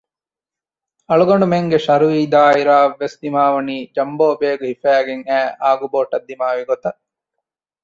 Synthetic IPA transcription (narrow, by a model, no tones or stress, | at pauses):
ɐɭuɡɐɳɖumeŋɡeʃɐɾuʋiːd̪aːiɾaːʋːesd̪imaːʋɐniːd͡ʒɐmboːbeːɡuɦifæːɡeŋæːʔaːɡuboːʈɐd̪ːimaːʋiɡot̪ɐ